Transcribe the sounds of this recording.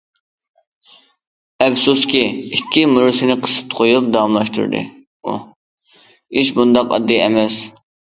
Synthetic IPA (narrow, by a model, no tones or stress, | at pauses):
ɛfsuskʲiikʲːimuɾusɪnɪqʰə̥sɨ̥p̚t̪ʰqʰojup̚d̪ɑɑmlˠɑʃt̪ṵɾd̪ɨ̰ | ṵ | iʃ̬bund̪ɑqɑ̰d̪ːiɛmɛs